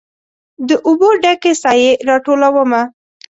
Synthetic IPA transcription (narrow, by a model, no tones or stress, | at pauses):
d̪əʔʊboɖakesɑjeɾɑʈolawəma